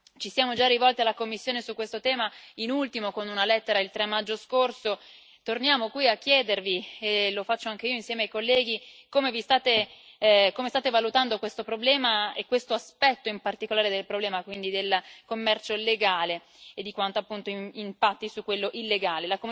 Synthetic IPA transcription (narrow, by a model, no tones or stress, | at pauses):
t͡ʃisjaːmod͡ʒarːivɔlt̪ealːakomːisːjoːnesukːwest̪ot̪ɛːmainult̪imokonunalɛt̪ːeɾailt̪ɾɛmːad͡ʒːoskorso | t̪ornjaːmokwiakːjɛːd̪ervielofat͡ʃːoaŋk̟eioinsjɛːmeajkolːɛːɡikomevist̪aːt̪e | komest̪aːt̪evalut̪and̪okwest̪opɾoblɛːmaekːwest̪oaspɛt̪ːoimpart̪ikolaːɾed̪elpɾoblɛːmakwind̪id̪elkomːɛrt͡ʃoleɡaːleː | d̪ːikwant̪oapːunt̪oiimpat̪ːisukːwelːoʔilːeɡaːlelako